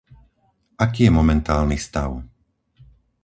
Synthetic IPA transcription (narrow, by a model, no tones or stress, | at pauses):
ʔakiːjɛmɔmɛnt̪aːlnist̪aʊ